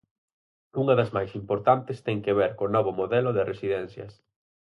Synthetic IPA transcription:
uŋɐðɐzmajsimpoɾt̪ant̪ɪst̪ɛŋkeβɛɾkonɔβʊmoðɛlʊðɪresiðɛn̟θjɐ̰s

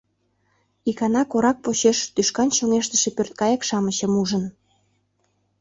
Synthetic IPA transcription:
ikɑnɑkoɾɑk̚poɕeʃt̪yʃkɑnɕoŋeʃt̪ə̥ʃepørt̪̚kɑjɑkʃɑməɕə̆muʒən

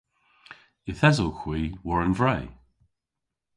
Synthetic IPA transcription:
ɪθɛzəlˠxwiːwɔɹənvɹɛj

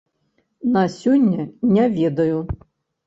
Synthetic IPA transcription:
nɐsʲɔnʲːɐnʲɐʋʲɛd̪ɐjʊ

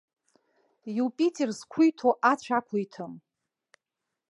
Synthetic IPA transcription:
juwpʼitʰʼerzkʷʰujtʰoʔat͡ɕʷʰakʷʰʊjtʰɨm

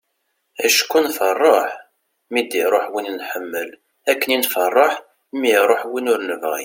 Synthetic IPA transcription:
æʃkːunfərˤːoħ | mid̪iɾˤoħwinnħəmːəl | ækːəninfərˤːoħ | miɾˤoħwinʊɾnəvʁḭ

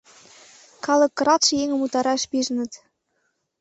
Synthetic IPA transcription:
kɑlˠɤ̆kːrɑt̪ʃɤ̆jeŋə̆mut̪ɑɾɑʃpiʒənə̆t̪

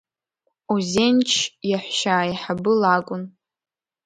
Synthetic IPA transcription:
uzent͡ʃʰjaħʷʃaːiħabɨlakʷʼʊn

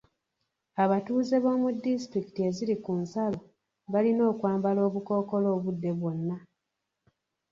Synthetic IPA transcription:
aβatuːze̞βo̞ːmudːistɾiki̥tie̞ziɾikunsalo | βalino̞ːkwaːmbalo̞ːβuko̞ːko̞lo̞ːβudːe̞βwo̞nːa

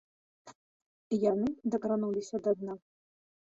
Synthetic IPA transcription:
ijanɨd̪ɐkɾanulʲisʲɐd̪ad̪na

